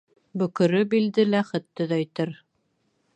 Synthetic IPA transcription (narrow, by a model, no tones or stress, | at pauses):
bɵ̆kɵ̆ɾɵbild̪ɘlæχɵ̆t̪ːɵðæjt̪ɘɾ